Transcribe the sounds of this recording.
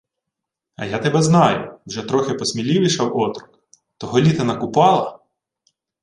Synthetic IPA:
ɐ̰jat̪ebɛznɑjʊ̰wʒɛt̪ɾɔxɪpɔsʲmʲilʲiʋiʃɐwɔt̪ɾʊk | t̪ɔɦɔlʲit̪ɐnɐkʊpɑlˠɐ

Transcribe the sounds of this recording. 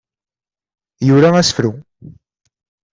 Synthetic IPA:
juɾaæsə̥fɾu

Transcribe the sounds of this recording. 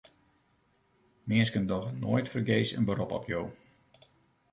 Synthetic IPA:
mɪəskəndɔxno̰ːjtfərɡeːsə̰nbəɾɔpɔ̰pʰjow

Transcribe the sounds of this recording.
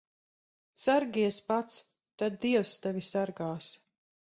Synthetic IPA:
saɾɡʲiɛspat̪s | t̪ad̪̚d̪iɛwst̪ɛvʲisaɾɡaːs

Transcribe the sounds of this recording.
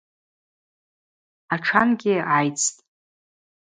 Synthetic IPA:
aʈ͡ʂʰanɡʲɪʕajt͡sʰʼtʼ

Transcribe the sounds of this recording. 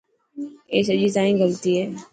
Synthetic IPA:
eːsəd͡ʒit̪aːĩɡəlt̪iɦɛː

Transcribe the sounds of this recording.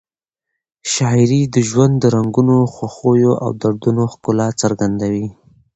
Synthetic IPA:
ʃɑɪɾid̪əʒwand̪dːəɾaŋɡunoxwaxojoʔa̰wd̪aɾd̪unoxkʊlat͡səɾɡand̪awi

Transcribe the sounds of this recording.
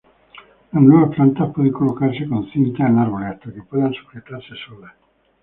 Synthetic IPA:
laminɔɾapɾant̪apɔd̪ikolːokarsikonsint̪aelːarvolɛt̪ːok̟epːɔd̪ansu̥fɾet̪ːarsisoːle

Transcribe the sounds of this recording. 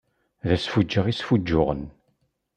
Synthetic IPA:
ðæsfud͡ʒːəʁisfud͡ʒːʊʁən

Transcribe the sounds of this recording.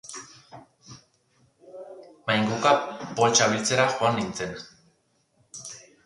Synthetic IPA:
majŋɡukapolt͡ʃaβilt͡se̞ɾaxoanːint͡se̞n

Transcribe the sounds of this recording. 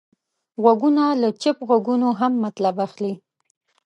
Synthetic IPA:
ɣwaɡunalat͡ʃɪpɣwaɡunoɦamːat̪labaxli

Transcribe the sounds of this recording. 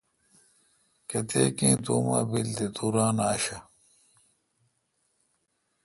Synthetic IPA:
kɐt̪eːkẽːt̪oːma̰ːbild̪et̪uːɾaːnaːɕɐ

